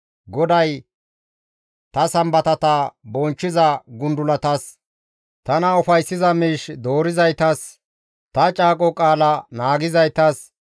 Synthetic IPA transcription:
ɡɔd̪ɐj | t̪ɐsɐmbɐt̪ɐt̪ɐbɔnt͡ʃːɪzɐɡʊnd̪ʊlɐt̪ɐs | t̪ɐnɐʊfɐjsːɪzɐmiːʃd̪o̞ːɾɪzɐjt̪ɐs | t̪ɐt͡ʃʼaːkʼɔkʼaːlɐnaːɡɪzɐjt̪ɐs

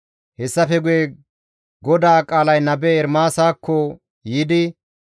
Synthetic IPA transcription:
hɛsːɐfɛɡʊjɛ | ɡɔd̪aːkʼaːlɐjnɐbɛːɾmaːsaːkʰːɔ | jiːd̪ɪ

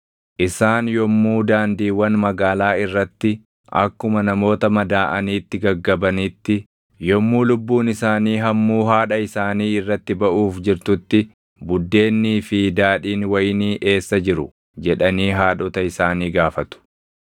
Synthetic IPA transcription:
ʔɪsaːnjɔmːuːd̪aːnd̪iːwɐnmɐɡaːlaːɪrːɐt̪ːɪ | ʔɐ̰kːʊmɐnɐmo̞ːt̪ɐmɐd̪aːʔɐniːt̪ːɪɡɐɡːɐbɐnɪt̪ːɪ | jɔmːuːlʊbːuːnɪsaːniːɦɐmːuːɦaːᶑɐɪsaːniːɪrːɐt̪ːɪbɐʔuːfd͡ʒɪɾt̪ʊt̪ːɪ | bʊd̪ːe̞ːnːiːfid̪aːᶑiːnwɐjniːʔe̞ːsːɐd͡ʒɪɾʊ̰ | d͡ʒɛᶑɐniːɦaːᶑɔt̪ɐɪsaːniːɡaːfɐt̪ʊ̥

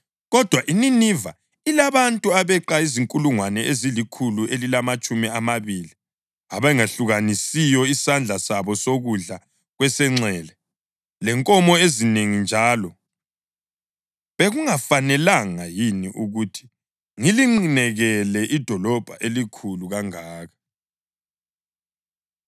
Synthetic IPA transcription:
ɣɔd̥ʱwaʔininiva | ilaβantʼuaβɛǃaiziŋkʼuluŋwanɛʔezilikʰuluʔelilamat͡ʃʼumiamaβili | aβɛŋaɬuɣanisijɔisand͡ɮʱasaβɔsoɣuɮa | ɣwɛsɛŋ͡ǀɛːlɛ | lɛŋkʼɔmɔezineŋind͡ʒʱaːlɔ | βeɣuŋafanɛlaŋajiniʔuɣutʰi̥ | ŋiliŋ͡ǀinɛɣɛlɛʔid̥ʱɔlɔb̥ʱa̰ʔelikʰuluɣaŋaːɣḁ

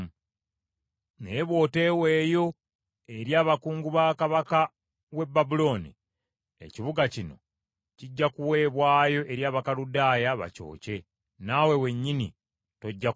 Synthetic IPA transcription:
neβwo̞ːte̞we̞ːjo̞ | e̞ɾjaːβakuːŋɡuβaːkaβaka | we̞bːabulo̞ːnḭ | ḛciβuɡacino̞̰ | ciɟːakuwe̞ːβwaːjo̞ʔe̞ɾjaːβakaludaːjaβa̰co̞̰ːce̞ | nawe̞we̞ɲːini | to̞ɟːa

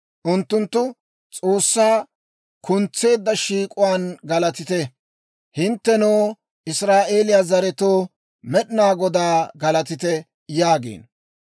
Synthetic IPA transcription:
ʔʊnt̪ːʊnt̪ːʊ | t͡sʼo̞ːsːaː | kʊnt͡sːe̞ːd̪ːɐʃiːkʼʊwaːnɡɐlɐt̪ɪt̪ɛ | hɪnt̪ːɛnoː | ʔɪsɾaːʔe̞ːlɪjazɐɾɛt̪oː | mɛɗɪnaːɡɔd̪aːɡɐlɐt̪ɪt̪ɛ | jaːɡḛːn

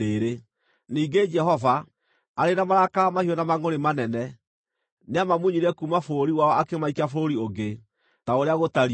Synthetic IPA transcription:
eɾe | niːɡed͡ʒɛɦɔva | aɾenamaɾakamahiɔnamaŋoɾemanɛnɛ | neamamuɲiɾɛkumafoɾiwaɔakemaikafɾoɾioɡe | taoɾeaɣotaɾi

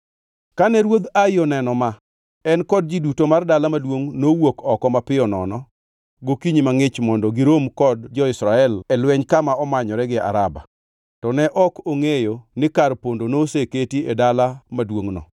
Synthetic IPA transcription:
kanɛɾwod̪ajɔnɛnɔma | ɛnkɔd̚d͡ʒidutomardalamadwoŋnowokɔkɔmapɪɔnɔ̰nɔ | ɡokiɲimaŋɪt͡ʃmɔndɔɡɪɾomkɔdd͡ʒɔɪsɾaɛlɛlwɛɲkamaɔmaɲɔɾɛɡɪa̰ɾaba̰ | tɔnɛʔɔkoŋejonɪkarpondonoseketiedalamadwoŋnɔ̰

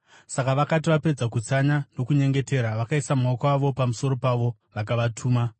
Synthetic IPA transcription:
sakaʋakatiʋape̞d͡zakut͡saɲano̞kuɲe̞ŋɡe̞te̞ɾaʋakaisamaokwaʋo̞pamuso̞ɾo̞paʋo̞ | ʋakaʋatʰuːma

